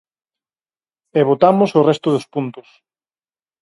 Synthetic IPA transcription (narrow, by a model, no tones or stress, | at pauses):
eβot̪amʊsorɛst̪ʊðospunt̪ʊs